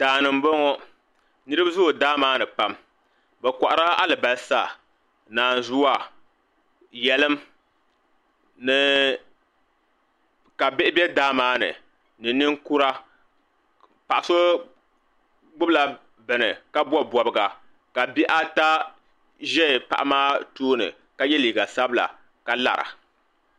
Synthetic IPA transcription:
taː˨nɨ˨m˦bo˦ŋɔ˦ | nɨ˦ɾɨ˦bzʊ˦˨daː˦maː˦nɨ˨pa˦m | bɛ˨kʷa˨ʔa˨ɾa˦a̰˦lɨ˨ba˨lsa˦˨ | naː˨n˨zu˦a˨ | jɛ˨lɨ˦m | nɨ˨ | ka˨bɪ˦ʔɪ˦bɛ˦daː˦maː˦nɨ̰˨ | nɨ˨nɨ˦ŋku˦ɾa˦ | pa˨ʔa˨so˦ | ɡ͡bʊ˦bla˨ | bɨ˨nɨ˨ka˦bɔ˦bɔ˨bɨ˦ɡa˨ | ka˨bi˦ʔa˦ta˦ | ʒɛ˦˨pa̰˨ʔa˦maː˦toː˦nɨ̰˨ | ka˨jɛ˦liː˨ɡa˨sa˦bɨ˦la̰˨ | ka˨la̰˨ɾa̰˨

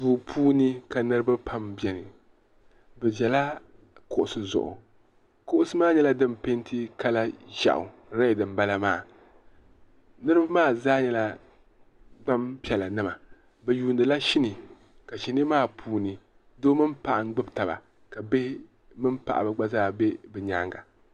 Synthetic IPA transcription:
vuː˨pʰuː˦nɨ˦ka˨nɨ˦ɾɨ˦ba˦pʰa˦mbjɛ˨nɨ˨ | bɛ˨ʒɛ˨la˦ | kʊ˨ʔʊ˨sɨ˨zʊ̰˨ʔʊ̰˨ | ko˦ʔʊ˦sɨ˦maː˦˨ɲɛ˦la˦dɨ˦mpe˦ntʰi˦ka˦la˦ʒa̰˨ʔʊ̰˨ | ɾa˦˨dɨ˨mba˦la˦maː˦˨ | nɨ˦ɾɨ˦ba˦maː˦˨zaː˦ɲɛ˦la˦ | ɡ͡ba˦mpi˨ɛ˨la˨nɨ˦ma˨ | bɨ˨juː˨ndɨ˨la˦ʃi˦nɨ˨ | ka˨ʃi˨nɨ˦maː˦pʰuː˨nɨ˨ | doː˦mɨ˦mpa˨ʔa˨ŋ˦ɡ͡bɨ˦bta˨ba̰˨ | ka˨be˦h | mɨ˦mpa̰˨ʔa̰˨bɨ˨ɡ͡ba˦zaː˦be˦bɨ˨ɲaː˦ŋɡa̰˨

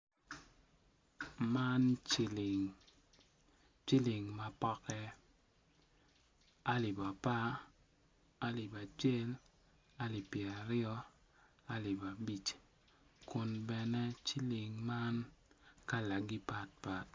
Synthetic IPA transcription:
ma˦nt͡ʃi˦˨li˨ŋ | t͡ʃi˦li˨ŋma˨pɔ˦kɛ˦ | a˦lɪ˨ba˨pa˦ | a˦li˨ba˨t͡ʃɛ˦l | a˦li˨pjɛ˨a˨ɾɪjɔ˦ | a˦lɪ˨ba˨bi˨t͡ʃ | kʊ˨nbɛ˨nɛ˦t͡ʃi˦li˨ŋma˦nka˦la˨ɡi˦pa˨t̚pa˨t̚

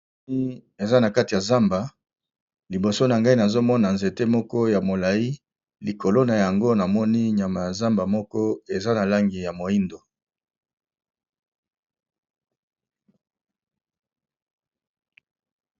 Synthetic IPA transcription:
i˦e˨za˦na˨ka˦ti˨ja˨za˦mba˨ | li˨bo˨so˦na˨ŋɡa˦i˦na˨zo˦mɔ˦na˨nze˨te˦mɔ˦kɔ˦ja˨mo˨la˨i˦ | li˨ko˨lo˦na˨ja˨ŋɡo˦na˨mɔ˦ni˦ɲa˨ma˨ja˨za˦mba˨mɔ˦kɔ˦e˨za˦na˨la˦ŋɡi˨ja˨mo˨i˦ndo˨

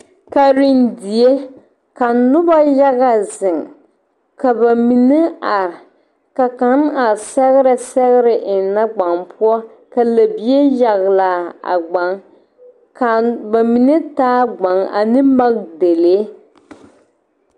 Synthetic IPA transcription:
ka˨ɾi˨ndi˨e˦ | ka˨nʊ˦ba˦ja˦ɣa˨zɪ˨ŋ | ka˨ba˨mi˨nɛ˦a˨ɾɪ˨ | ka˨ka˨˦na˨sɛ˦ɣɪ˦ɾa˨sɛ˦ɣɪ˦ɾɪ˨ʔɪ˨n˨na˦ɡ͡ba˨ŋpʊ˦ɔ˦ | ka˨la˨bi˨˦e˦ja˨ɣla˨a̰˨ɡ͡ba˨ŋ | ka˨ba˨mi˨nɨ˦taː˦ɡ͡ba˨ŋa̰˨nɨ˦ma˦ɣde˨le˦

